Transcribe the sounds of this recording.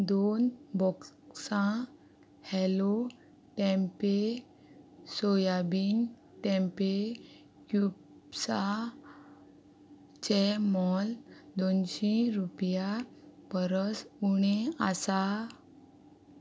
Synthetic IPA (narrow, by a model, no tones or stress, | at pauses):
d̪onbɔksã | hɛlo | ʈɛ̃mpe | sojabin | ʈɛ̃mpe | kjub | sa | t͡ɕɛmɔld̪onɕĩɾupjapəɾəsuɽ̃easa